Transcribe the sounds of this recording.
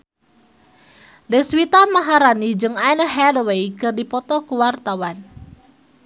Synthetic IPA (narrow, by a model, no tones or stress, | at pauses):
dɛswit̪amaɦaɾanid͡ʒɨŋajnəɦɛdowejkɨrdipɔt̪ɔkuwart̪awan